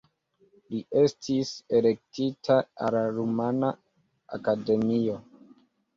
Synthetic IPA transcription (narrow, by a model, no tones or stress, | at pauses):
liʔe̞stʰise̞le̞k̚titʰaalaɾumana | a̰kade̞mio̞